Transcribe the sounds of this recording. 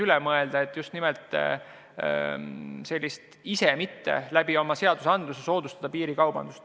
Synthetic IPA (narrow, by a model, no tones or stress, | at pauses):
ylɛmɤe̞ld̪ɑet̪ːˑjust̪nimɛlt̪ˑ | se̞lʲːist̪ | isemit̪ːe̞̰læb̥io̞mɑse̞ɑd̪̥usɑnd̪luseso̞ːd̪̥ust̪ɑd̪ɑpiːɾikɑwb̥ɑ̰nd̪ust̪